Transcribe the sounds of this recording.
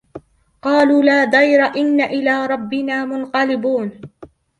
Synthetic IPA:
qɑːluːlaːd̪ˤɑjɾaʔɪnːaʔɪlaːɾˤɑbːɪnaːmʊnqɑlɪbuːn

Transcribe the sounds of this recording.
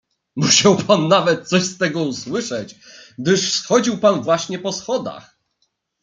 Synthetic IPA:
muɕawpʰanːavɛt̪̚t̪sɔɕst̪ɛɡɔuswɘʂɛt͡ɕɡd̪ɘʂfsxɔd͡ʑiwpanvwaɕɲɛpɔsxɔd̪a̰x

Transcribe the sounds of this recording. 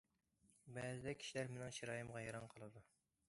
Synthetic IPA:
bɛzɪd̪ɛkʲʰi̥ʃilæɾmɪnɪŋʃiɾɑːjɨmʁɑjɑɾɑnqʰɑlˠɨd̪u

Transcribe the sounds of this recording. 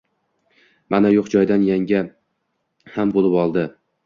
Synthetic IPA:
manajoqd͡ʒɒjd̪anjaŋʲa | hambolˠɪpɒlˠd̪ɪ

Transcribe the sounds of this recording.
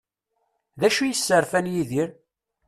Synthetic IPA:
ðæʃujəsːəɾfænjiðiɾ

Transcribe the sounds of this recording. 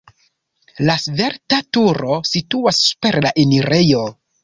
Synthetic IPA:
lasve̞ɾtatuɾo̞situasːu̥pe̞ɾlaʔeniɾejo̞

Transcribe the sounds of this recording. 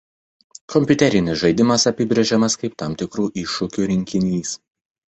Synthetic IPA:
kɔmʲpʲʊt̪ʲɛɾʲɪnʲɪsʒɐɪd̪ʲɪmɐsɐpʲɪbʲɾʲeʒʲɛmɐskɐɪp̚t̪ɑːˑmʲt̪ʲɪkɾuːʔɪʃʊkʲuːɾʲɪŋʲkʲɪnʲiːs

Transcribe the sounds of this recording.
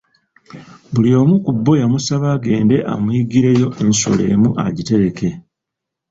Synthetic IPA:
bulio̞ːmukubːo̞jamusaβaːɡe̞ːnde̞ʔa̰mwiɡiɾe̞jo̞ʔe̞nso̰le̞̰ːmuʔa̰ɟite̞ɾe̞ke̞

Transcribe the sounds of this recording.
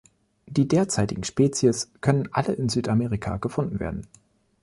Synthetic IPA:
d̥iːdeːɐt͡saɪtɪɡŋ̩ʃpɛːt͡sjəskʰœnənʔa̰ləʔɪnzyːtameːʁikʰa̰ɡ̥əfʊndn̩vḛːɐdn̩

